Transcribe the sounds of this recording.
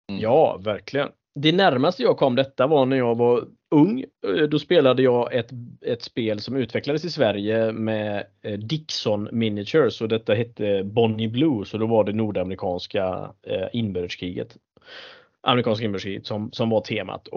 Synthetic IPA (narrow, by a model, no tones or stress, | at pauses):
jɑːvæɾklɪɡə̰n | d̪ɛnæɾmast̪əjɑːɡkʰɔmːd̪ɛt̪ːavɑnæɾjɑːɡvaɾ | ɵŋːd̪ɔspeːlad̪əjɑːɡʔɛt̪ɛt̪speːlsɔmʉ̟ːt̪vɛklad̪əsɪsvæɾjəmɛd̪ɪksɔnmɪnːɪʂəɾsɔd̪ɛt̪ːaɦɛt̪ʰːəbɔnːɪblʉːsɔd̪ɔvaɖɛnuːɖamɾɪkʰɑːnska̰ɪnbœɾəʂkʰɾiːɡə̰t̪ | ʔa̰mɾɪkʰɑːnskaɪnbœʂkɾiːɡət̪sɔmsɔmvat̪ʰeːma̰t̪ʰ